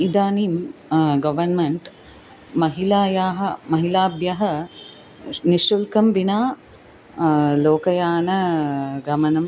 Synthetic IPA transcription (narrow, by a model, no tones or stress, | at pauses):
id̪aːniːmɡɐʋɐnmɐɳʈ | mɐɦilaːjaːɦɐmɐɦilaːbjɐɦɐ | niʃɾulkɐmʋinaː | loːkɐjaːnɐɡɐmɐnɐm